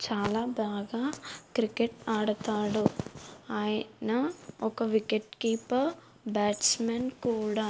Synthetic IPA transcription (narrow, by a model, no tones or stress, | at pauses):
t͡ʃaːlaːbaːɡaːkɾikeʈaːɽɐt̪aːɽuaːjɐnɐɔkɐʋikeʈkiːp | baːʈsmenkuːɽaː